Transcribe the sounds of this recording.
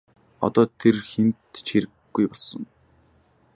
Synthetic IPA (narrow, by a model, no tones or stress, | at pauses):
ɔ̰t̪ɔːt̪ʰerxent̪t͡ɕxeɾɘ̆ɡ̥ːujpɔɮsɞ̆ŋ